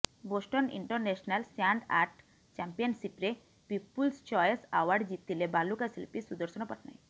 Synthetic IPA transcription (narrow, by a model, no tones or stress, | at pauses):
bosʈɔnḭɳʈɔɾnesɔnalsaɳɖa̰ɾʈ | t͡ʃampiɔnsipɾe | pipːulst͡ʃɔjsawaɾɖd͡ʒit̪ːilebalukasilpisud̪ɔɾsɔñɔpɔʈna̰j